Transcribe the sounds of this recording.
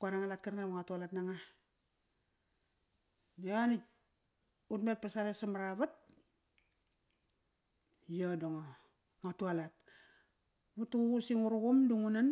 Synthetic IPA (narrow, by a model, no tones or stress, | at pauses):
kuaɾaŋalat̚kaɾŋamaŋatualatnaŋa | joani | utmet̚pasaɾesamaɾaβat̚ | jodoŋo | ŋatualat̚ | βutuusiŋuɾuɡumduŋunan